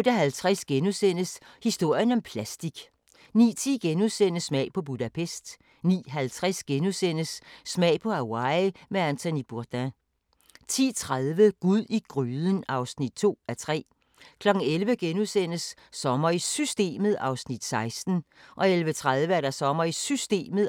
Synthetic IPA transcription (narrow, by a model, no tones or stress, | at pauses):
od̥əɦælt͡sʰʁasɡ̥enusen̰əshisd̥o̝ɐ̰jənɒ̽mpʰlæsd̥iɡ̥ | nḭːt͡sʰḭːɡ̥enuðˠsen̰əsmɛ̰ɪpʰɒ̽b̥udæpʰesd̥ | nḭːɦælt͡sʰʁasɡ̥enusen̰əsːmɛ̰ɪpʰɒ̽æwɑ̈ɪmeænt͡sʰonib̥uɐd̥æ | t͡sʰḭːt͡sʰʁaðˠʋəɡ̥uðˠiɡ̥ʁyːðˠənɑ̈ʊsnid̥̚t͡sʰo̝̰ːæt͡sʰʁɛ̰ː | kʰlɒ̽ɡ̥n̩elʋəɡ̥enusen̰əsː | ɒ̽mɐisysd̥e̝̰ːməð̩ˠɑ̈ʊsnid̥sɑ̈ɪsd̥n̩ʔɒ̽elʋət͡sʰʁað̞ˠʋəæɐɾ̥ɑsɒ̽mɐisysd̥e̝̰ːməðˠ